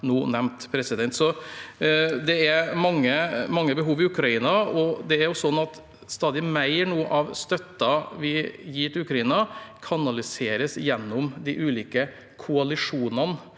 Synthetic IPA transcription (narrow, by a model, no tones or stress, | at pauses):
nuːnɛmt̪pʰɾɛsɪd̪ɛnt̪sɔ | d̪ɛæɾmɑŋːəmɑŋːəbəɦuːʋɪʉkɾɑiːnɑɔd̪ɛæɾjʊsɔnːɑt̪ | st̪ɑːd̪ɪmæɪəɳuːəʔɑʋst̪œt̪ːɑʋɪjiːʈɪʉkɾɑiːnɑkʰɑnɑlɪseːɾəsjɛnːʊmd̪ɪʔʉːliːkə | kʰʊɑlɪʂuːnɑn